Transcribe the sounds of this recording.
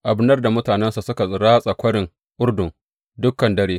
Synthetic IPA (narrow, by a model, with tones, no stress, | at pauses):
ʔa˨bnɐ˦rda˨mʊ˦taː˨nɛ˦nsa˨sʊ˦ka˨sʼɪ˨ɽaː˦sʼɐ˨kʷɐ˦ɽɪ˨ŋ | ʔʊ˦rdʊ˨ŋ | dʊ˦kːɐ˨ndɐ˦ɽeː˦